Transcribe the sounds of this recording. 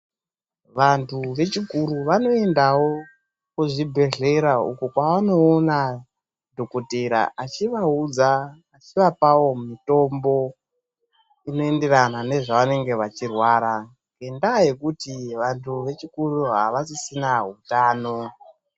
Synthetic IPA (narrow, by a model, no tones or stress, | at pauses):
ʋantʰuʋe̞t͡ʃikuɾuʋano̞e̞ndawo̞ | kuʐibʱe̞ɮe̞ɾaṵkukwaʋano̞ːna | dʱo̞koteɾa̰ʔat͡ʃiʋaud͡zaː | t͡ʃiʋapawo̞mito̞mbo̞ | ino̞e̞nderanane̞ʐaʋane̞ŋɡe̞ʋat͡ʃirwaːɾa | ŋɡe̞ndaje̞kutiʋantʰuʋe̞t͡ʃikuruɦa̰ʋasisinaɦutaːno̞